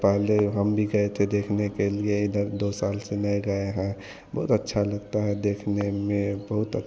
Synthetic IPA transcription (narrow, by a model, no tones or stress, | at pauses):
pɛɦleɦəmbʱiɡəet̪ʰed̪ekʰnekelieid̪əd̪osalsenɛjɡəeɦɛ̃ | bəɦut̪ətːʃʰaləɡt̪aɦɛd̪ekʰnemẽbəɦut̪ə